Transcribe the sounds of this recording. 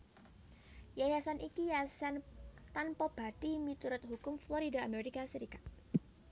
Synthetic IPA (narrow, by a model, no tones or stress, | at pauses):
jajasanikijasant̪anpɔb̥ad̥imit̪uɾʊt̪̚ɦukʊmfloɾidaːmeɾikasəɾikat̪̚